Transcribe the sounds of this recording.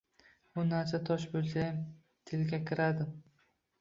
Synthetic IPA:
bʊnaɾs̬at̪ʰɒʃ̬bolʲˠsajam | t̪ʰɪlɡʲakʲʰɪɾad̪ɪ

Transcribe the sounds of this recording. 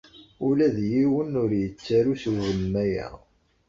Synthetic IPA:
ulæðjiwənʊɾjət͡sːæɾuswvənmæjæ̰

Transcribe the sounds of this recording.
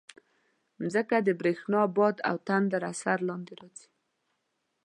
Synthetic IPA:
mzəkad̪əbɾexnɑbɑd̪a̰wt̪ant̪əɾasaɾlɑnd̪eɾɑd͡zi̥

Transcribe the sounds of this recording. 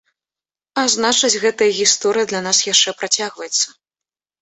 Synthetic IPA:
aznat͡ʂɐt͡sʲɣɛt̪ɐjɐɣʲist̪ɔɾɨjɐd̪lʲanasjaʂt͡ʂɛpɾat͡sʲaɣvɐjɛt̪sːɐ̥

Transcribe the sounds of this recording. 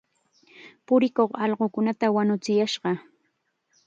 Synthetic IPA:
pʊɾɪkoχɑʎɢokʊnat̪awanʊt͡sɪjaʃɢɑ

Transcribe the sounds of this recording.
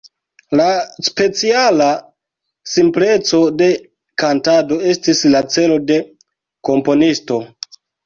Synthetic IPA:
laspe̞t͡siala | simple̞t͡so̞de̞ | kantado̞e̞stislat͡se̞lo̞de̞ | ko̞mpo̞nisto̞

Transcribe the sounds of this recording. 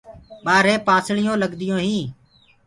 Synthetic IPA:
ɓaːɾẽːpaːsɭɪjõːləɡd̪ɪjõːɦĩː

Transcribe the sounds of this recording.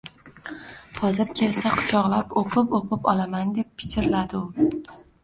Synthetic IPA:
hɒzɪɾkʲʰe̞lsaqʰʊ̥t͡ʃʰɒʁlˠapopʰɪpopʰɪpɒlˠamand̪e̞pʰːɪ̥t͡ʃʰɪɾlad̪ɪʊ

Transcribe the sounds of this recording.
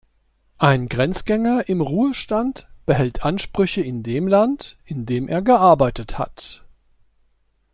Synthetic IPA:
ʔaɪnɡʁɛnt͡sɡ̥ɛŋɐʔɪmʁuːəʃtantb̥əɦɛltʰʔanʃpʁ̥ʏçəɪndeːmlant | ɪndeːmʔḛːɐɡəʔaɐbaɪtətha̰t

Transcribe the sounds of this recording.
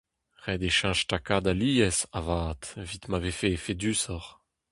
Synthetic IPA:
ʁɛd̪eʃãʃtakad̪aliːɛsavaːtvit̪mavefefed̪yːsɔʁ

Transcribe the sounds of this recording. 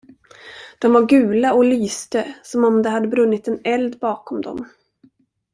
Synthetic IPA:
d̪̥ɔmvaɾɡʉ̟ːlaɔlyːst̪əsɔmɔmd̪ɛɦad̪ːəbɾɵnːɪt̪ɛnɛld̪bɑːkʰɔmd̪ɔ̰m

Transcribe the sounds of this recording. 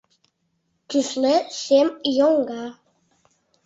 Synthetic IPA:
t̪yslesemjoŋɡɑ

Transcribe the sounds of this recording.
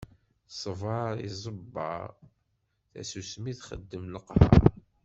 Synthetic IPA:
sˤəvɑɾizˤəbːɑ̰ɾ | θæ̰susmiθχə̰d̪ːəmləqhɑ̰ɾˤ

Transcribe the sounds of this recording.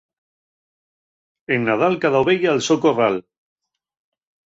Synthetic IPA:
eŋnað̞alkaðaoβeʎaelsokoral

